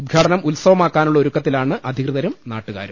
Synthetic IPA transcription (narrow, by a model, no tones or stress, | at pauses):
ud̪̚ɡʱaːʈɐnɐmulsɐʋɐmaːkːaːnuɭːɐoɾukːɐt̪ːilaːɳɨʔɐd̪ʱikrɨðɐɾumna̰ːʈːuɣa̰ːɾum